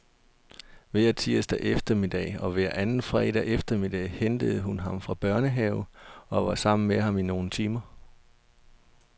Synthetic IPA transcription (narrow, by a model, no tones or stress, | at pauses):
ʋeɐt͡sʰiɐsd̥æʔefd̥ɐmid̥ɛ̰ɒ̽ʋæɐ̰ʔænn̩fʁɛ̰ːd̥æʔefd̥ɐmid̥ɛɪhend̥əð̞̩ˠɦunɦɑ̈mfʁɑ̈b̥ɶɐnəɦɛʊɒ̽ʋɑ̈sɑ̈m̰n̩meɑ̈mino̝ːn̩t͡sʰiːmɐ